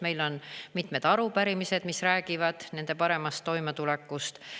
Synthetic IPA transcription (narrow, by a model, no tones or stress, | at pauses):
me̞jlo̞nmit̪ˑme̞d̪̥ɑɾupæɾimise̞d̪̥misræːɡivɑd̪̥ne̞nd̪e̞pɑɾe̞mɑst̪ːo̞jmet̪ule̞kːˑust̪